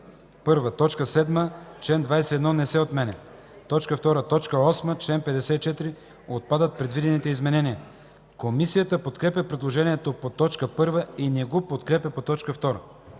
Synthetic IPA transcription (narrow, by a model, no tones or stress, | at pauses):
pɤɾvət̪ɔt͡ʃkəsɛd̪mət͡ʃlɛnd̪vajsɛɛd̪nɔnɛsɛot̪mɛnɛ | t̪ɔt͡ʃkəft̪ɔɾət̪ɔt͡ʃkəɔsmət͡ʃlɛnpɛd̪ɛsɛit͡ʃɛt̪iɾi | ot̪̚pad̪ət̪̚pɾɛd̪vid̪ɛnit̪ɛizmɛnɛniə | komisijət̪əpot̪kɾɛpʲjɐpɾɛd̪lˠoʒɛniɛt̪opot̪ɔt͡ʃkəpɤɾvəinɛɡopot̪kɾɛpʲɐpot̪ɔt͡ʃkəft̪ɔɾə̰